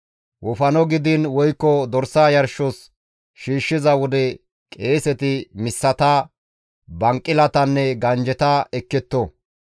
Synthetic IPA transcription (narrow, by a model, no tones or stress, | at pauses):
wɔfɐnɔɡɪd̪ɪnwɔjkːɔd̪ɔɾsːaːjɐɾʃɔs | ʃiːʃːɪzɐwɔd̪ɛ | kʼe̞ːsɛt̪ɪmɪsːɐt̪ɐ | bɐŋkʼːɪlɐt̪ɐnːɛɡɐnd͡ʒɛt̪ɐɛkːɛt̪ːɔ